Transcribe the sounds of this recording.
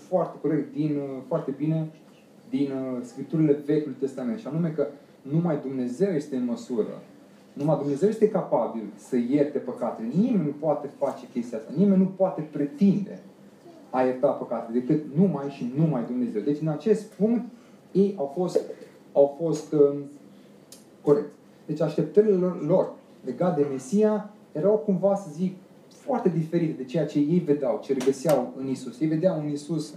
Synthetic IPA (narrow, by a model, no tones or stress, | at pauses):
foart̪e̞ko̞ɾek̚t̪̚d̪infoart̪e̞bine̞ | d̪inskɾip̚t̪uɾile̞ve̞kʲjulijt̪e̞st̪ame̞nʃianume̞kə | numajd̪umne̞ze̞wje̞st̪eɨnməsuɾə̰ | numajd̪umne̞zewje̞st̪e̞kapabilsəje̞rt̪e̞pəkat̪elenimenʲnupoat̪e̞fat͡ʃe̞kʲe̞st̪ijast̪a̰nime̞nʲːupoat̪e̞pɾe̞t̪ind̪e̞̰ | ajert̪apəkat̪ed̪e̞kɨt̪numajʃinumajd̪umne̞ze̞wd̪e̞t͡ʃʲɨnat͡ʃe̞st̪puŋkt̪ | je̞jawfo̞st̪ | awfo̞st̪ | ko̞ɾe̞k̚t̪sʲ | d̪e̞t͡ʃʲaʃt̪e̞p̚t̪əɾilelo̞r | le̞ɡat̪̚d̪e̞me̞sija | je̞ɾawkumvasəzik | foart̪e̞d̪ife̞ɾit̪d̪e̞t͡ʃe̞jat͡ʃe̞je̞jve̞d̪eawt͡ʃeɾeɡəsiawɨnisusje̞jve̞d̪eawɨnisus